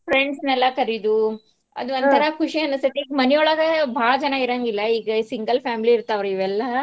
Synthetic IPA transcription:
pɾeɳɖsnɛlːɐkɐɾid̪u | ɐ̰d̪uɐnt̪ɐɾɐkʰuʂiɐnust̪it̪ːeiːɡɐmɐnɛjɔɭɐɡɐbʱaːɭɐd͡ʒɐnɐiɾɐŋɡilːɐiːɡɐsiŋɡɐlpʰaːmiliːɾt̪aːʋɾuiʋɛlːɐ

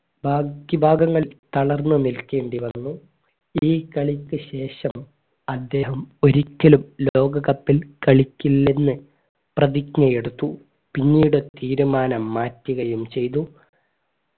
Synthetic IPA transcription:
bʱaːkibʱaːɡɐŋːɐɭt̪ɐɭɐrnːɨnilke̞ːɳɖiʋɐnːu | iːkɐɭikʲːɨɕe̞ːʂɐm | ɐd̪ːe̞ːɦɐmo̞ɾikʲːɐlumlo̞ːɡɐɣɐpːilkɐɭikʲːilːenːɨ | prɐðiknɐje̞ɽut̪ːu | piɲːiːjɽɨt̪iːɾumaːnɐmːaːtːiɣɐjumt͡ɕe̞jt̪̬u

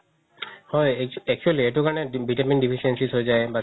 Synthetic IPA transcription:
hɔjɛk̚t͡ʃualieʈukanebiʈaminɖipʰisiensisɦojzajba

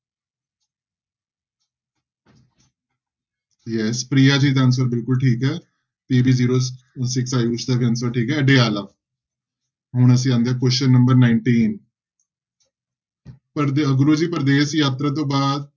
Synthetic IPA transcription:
jɛspɾijaːd͡ʒiːd̪aːns̬əɾbɪlkʊlʈʰiːkɦɛː | t̪eːbʱiːziːɾoː | sɪksaːjut͡ʃd̪aːbə̃nsəɾʈʰiːkɦɛːɖeːaːlaː | ɦʊɳ̃əs̬ĩːãːnd̪eaːkwəʃənːəmbəɾnaːɪɳʈiːn | pəɾəɡɾoːd͡ʒiːpəɾd̪eːsjaːt̪ɾaːt̪̬õːbaːd̪̚

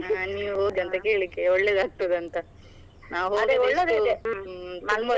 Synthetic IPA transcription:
niːʋɦoːɡ̪iɐnt̪ɐkeːɭikːeɔɭːeːd̪aːɡ̚t̪od̪ɐnt̪ɐ | naːʋɦoːɡ̪iɔɭːed̪ | ɐmɐ

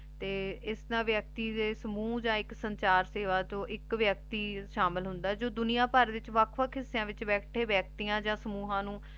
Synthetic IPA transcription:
t̪eːɪsnãːʋjək̚t̪iːd̪eːsəmuːd͡ʒãːɪksəɲt͡ʃaːɾseːʋaːt͡ʃõːʔɪkʋjək̚t̪iːʃaːmɪlɦʊnd̪aːd͡ʒoːd̪ʊnijãːpəɾdɪt͡ʃʋəkʰʋəkʰɪsːɪjãːʋɪt͡ʃbɛːʈʰeːbɛːk̚t̪ijãːd͡ʒãːsəmuːɦãːnũː

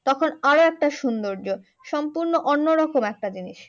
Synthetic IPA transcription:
t̪ɔkʰonaɾoɛk̚ʈaʃund̪oɾd͡ʑo | ʃɔmpuɾnoʔonːoɾɔkomɛk̚ʈad͡ʑiniʃ

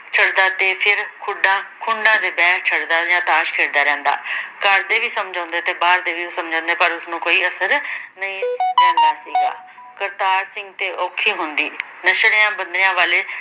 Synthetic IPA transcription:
t͡ʃʰəɽd̪aːt̪eːpʰɪɾkʰʊɖãːkʰʊɳɖãːd̪eːbɛːkt͡ʃʰəɽd̪aːd͡ʒãːt̪aːʃkʰeːɾd̪aːɾɛ̃ːnd̪a̰ːkəɾd̪eːʋiːsəmd͡ʒãːnd̪eːt̪eːbaːɾd̪eːʋiːsəmd͡ʒãːnd̪eːpəɾʊsnũːkoːiːəsəɾnəĩːɾɛ̃ːnd̪aːsiːɡa̰ː | kəɾt̪aːɾsɪ̃ŋɡt̪eːʔoːkʰiːɦʊnd̪iː | nəʃɽeãːbənd̪ɾɪjãːʋaːleː

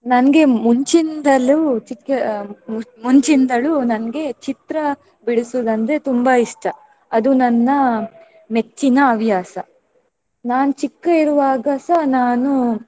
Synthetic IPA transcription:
nɐnɡe̞muɲt͡ʃind̪ɐlut͡ʃikːɐ | muɲt͡ʃind̪ɐɭunɐnɐɡe̞t͡ʃit̪ɾɐ | biɽisud̪ɐnt̪e̞t̪umbɐiʂʈɐ | ɐd̪unɐnːɐ | met͡ʃːinɐːʋjaːsɐ | naːnut͡ʃikːɐiɾuʋaːɡasɐnaːnu

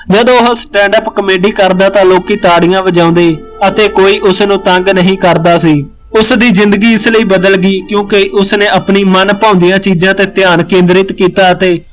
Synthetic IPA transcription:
d͡ʒəd̪õːɦsʈɛ̃ːɳɖəpkəmeːɖiːkəɾd̪aːt̪ãːloːkiːt̪aːɽɪjãːʋəd͡ʒãːʊ̃nd̪eː | ət̪eːkoːiːʔʊsnũːt̪əŋɡnəɦĩːkəɾd̪aːsiː | ʊsd̪iːzɪ̃nd̪əɡiːɪsləiːbəd̪əlɡiːkjõːkeʔʊsneːəpniːmənpãːʊ̃nd̪ɪjãːt͡ʃiːzãːt̪eːt̪ɪjaːnkẽːnd̪ɾɪt̪kiːt̪aːət̪eː

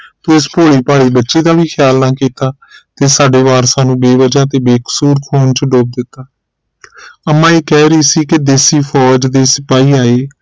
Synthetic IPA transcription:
t̪oːɪspoːɽiːpaːɽiːbətːʃiːd̪aːʋiːkʰɪjaːlnãːkiːt̪aː | t̪eːsaːɖeːʋaːɾsaːnũːbeːʋəd͡ʒaːt̪eːbeːksuːɾkʰoːnt͡ʃɖoːb̚d̪ɪt̪ːaː | əmːãːiːkɛːɾəiːsiːkɪd̪eːsiːpʰɔːd͡ʒd̪eːsəpaːiːaːeː

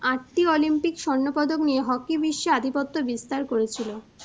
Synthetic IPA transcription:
aʈʈiɔlimpikʃɔnːopɔd̪oknieɦɔkibiʃːoad̪ʱipot̪ːobist̪aɾkoɾet͡ɕʰilo

